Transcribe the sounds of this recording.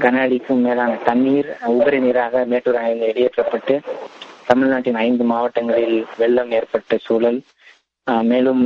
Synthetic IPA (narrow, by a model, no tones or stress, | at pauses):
kɐnaːɽɪkːɯmeːlaːnɐt̪ɐnːiːɾʊbɐɾɪniːɾaːɣɐmeːʈːuːɾɐnɐɪnd̪ɯɛɽɪjɛʈrɐpːɐʈːɯt̪ɐmɪɻnaːʈːɪnɐɪnd̪ɯmaːʋɐʈːɐŋɡɐɭɪlʋɛɭːɐmeːrpɐʈːɐsuːlɐl | meːlɯm